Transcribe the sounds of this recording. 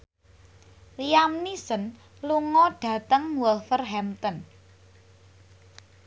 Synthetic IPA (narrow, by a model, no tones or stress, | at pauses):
liamnisən | luŋɔɖ̥ä̤t̪əŋwɔlfərɦɛmt̪ən